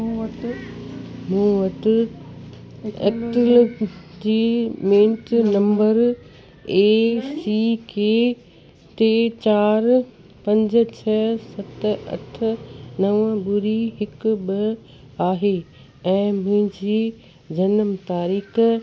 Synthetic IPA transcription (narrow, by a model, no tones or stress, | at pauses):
mũːʋɐʈ | ḛkʈl | d͡ʑiːmẽːɳʈnɐ̃mbəɾ | eːsikeː | t̪eːt͡ɕaːɾ | pɐ̃ɲd͡ʑ̆t͡ɕʰəsɐt̪ɐ̰ʈʰnɐʋə̃bʊɾiɦɪkbɪ | aːɦe | ɛ̃ːmʊ̃ɦɪ̃ɲd͡ʑiː | d͡ʑɐnəmt̪aːɾiːx